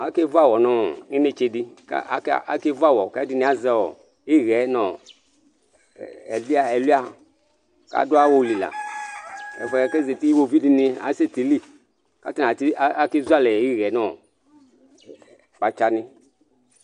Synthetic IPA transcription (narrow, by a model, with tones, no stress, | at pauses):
a˨˦ke˦va˦˨wɔ˨nɔ˦i˦ne˧t͡ʃe˧di˧ka̰˦a̰˨˦kʔa̰˨ke˦va˦˨wɔ˨ka˦di˦nĩ˨˦a˨˦zɛ˦wɔ̰˨ | i˦ɣɛ˨˦nɔ˨ | ɛ˨li˦a˦ɛ˨lu˦a˦ | ka̰˦du˦a˦wo˦˨li˨la̰˨ | ɛ̰˨fɛ˧˦˨kɛ˦ze˨ti˦i˦wo˨vi˦di˧ni˧a̰˨˦se˦ti˨li˦ | ka˨˦ti˦n˨a˨ti˦a˦ke˦zu˦a˦˨lɛ˨˦i˦ɣɛ˨˦nɔ˨ | k͡pa˨t͡ʃa˧nĩ˧